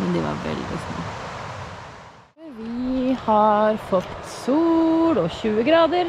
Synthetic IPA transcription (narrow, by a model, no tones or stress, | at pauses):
mɛnd̪ɛʋɑ̰ɾʋɛ̰ld̪ɪ̰d̪ɛ̰snə | ʋɪhɑɾfɔt̪ːsuːɽɔçʉːəɡɾɑːd̪əɾ